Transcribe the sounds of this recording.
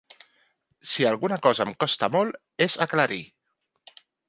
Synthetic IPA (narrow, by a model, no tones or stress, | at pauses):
sialˠɣunəkɔzəmkɔst̪amɔl | ezaklaɾi